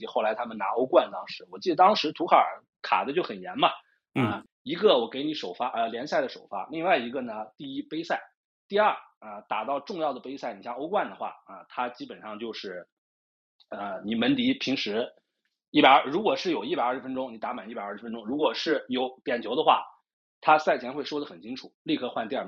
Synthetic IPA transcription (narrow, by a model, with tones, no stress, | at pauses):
xo˥˩ʊla˧˥ɪt̪ʰa˥mə˨na˧˥o˥ʊkwa˥˩nt̪ɑ˥ŋʂɻ̩˧˥wɔ˨˩t͡ɕi˥˩d̪ə˩t̪ɑ˥ŋʂɻ̩˧˥t̪ʰu˧˥kʰa˧˥˩ə̰˧˩˥ | kʰa̰˨˩d̪ə˦t͡ɕjo˥˩ʊxə˨˩njɛ˧˥nmɐ˧ | ə˧ | i˧˥ɡə˧wɔ˨˩ke˧˥ɪni˧˥ʂo˨˩ʊfa˥ʔə˧ljɛ˧˥nsa˥˩ɪd̪ə˩ʂo˨˩ʊfa̰˥li˥˧ŋwa˥˩ɪi˧˥ɡə˧nə˨t̪i˥˩i˥pe˥ɪsa˥˩ɪ | t̪i˥˧ɐ˞˥˩ə˧t̪a˨˩t̪ɑ˥˧ʊʈ͡ʂʊ˥˧ŋjɑ˥˩ʊd̪ə˩pe˥ɪsa˥˩ɪni˨˩ɕja˥˧o˥ʊkwa˥˩nd̪ə˩xwa̰˥˩ə˧t̪ʰa˥t͡ɕi˥pə˨˩nʂɑ˥˧ŋt͡ɕjo˥˧ʊʂɻ̩˥˩ | ə˧ni˨˩mə˧˥nt̪i˧˥pʰi˧˥ŋʂɻ̩˧˥ | i˥˩a˨˩˥ɻu˧˥kwɔ˨˩ʂɻ̩˥˩jo˨˩ʊi˥˩pa˨˩ɪ˞˥˧˩ʂɻ̩˥˧˥ə˥n˥ʈ͡ʂʊ˥ŋni˨˩t̪a˧˥ma˨˩ni˥˩pɪ˞˥˩ɻ̩˧fə˥nʈ͡ʂʊ˥ŋɻu˧˥kwɔ˨˩ʂɻ̩˥˩jo˧˥ʊt̪jɛ˨˩nt͡ɕʰjo˧˥ʊd̪ə˧xwa̰˥˩ | t̪ʰa˥sa˥˩ɪt͡ɕʰjɛ˧˥nxwe˥˩ɪʂwɔ˥d̪ə˩xə˨˩nt͡ɕʰi˥ŋʈ͡ʂʰu˨˩˦li˥˧˩kʰɤ˥˧xwa˥˧nt̪i˥˧a˞˥˩